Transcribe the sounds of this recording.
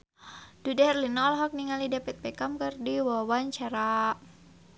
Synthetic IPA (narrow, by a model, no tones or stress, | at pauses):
d̥udarlinalɦɔk̚niŋalidapɛt̪̚pɛkamkɨrdiwɔwaɲt͡ʃaɾa